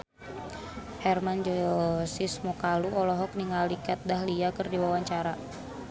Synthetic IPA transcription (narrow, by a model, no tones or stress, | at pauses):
hɛrmand͡ʒɔsismɔkaluʔɔlɔɦɔk̚niŋalikat̪̚daɦliakɨrdiwawaɲt͡ʃaɾa